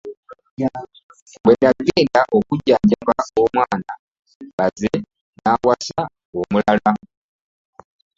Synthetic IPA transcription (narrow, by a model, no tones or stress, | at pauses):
wenaɡeːndaʔokuɟaːɲɟakaomwaːna | βaze | naːwasa | omulala